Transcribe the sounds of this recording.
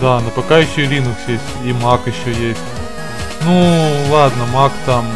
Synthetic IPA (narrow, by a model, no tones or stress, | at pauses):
d̪anɐpɐkajɪɕːolʲinʊksjesʲtʲimakɪɕːojesʲtʲ | nulˠad̪nəmakt̪am